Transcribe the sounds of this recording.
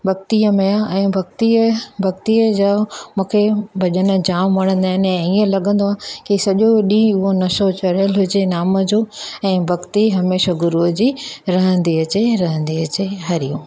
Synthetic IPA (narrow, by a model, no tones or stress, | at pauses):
bɐɡ̚t̪ijəmejaɛ̃ːbʱɐɡ̚t̪ibʱɐɡ̚t̪ijəd͡ʑamũːkʰebʱɐʄənə̆d͡ʑaːmʋɐɽ̃ə̃nd̪aːɦɪnɛ̃iːə̃lɐɠə̃nd̪oaːkisɐʄoɗĩʊɦonɐʃot͡ɕɐɾjəlɦʊd͡ʑenaːməd͡ʑoːɛ̃ːbʱɐɡt̪iɦɐmeːʃaɡʊɾud͡ʑiɾɐɦə̃nd̪iɐt͡ɕeɾɐɦə̃nd̪iɐt͡ɕeɦɐɾijũː